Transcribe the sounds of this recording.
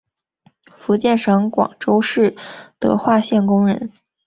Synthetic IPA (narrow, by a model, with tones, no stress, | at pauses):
fu˧˥t͡ɕjɛ˥˩nʂɑ˧˥ŋkwɑ̰˨˩ŋʈ͡ʂo˥ʊʂɻ̩˥˩t̪ɤ̰˧˥xwa˥˧ɕjɛ˥˩nkʊ˥ŋɻə̰˧˥n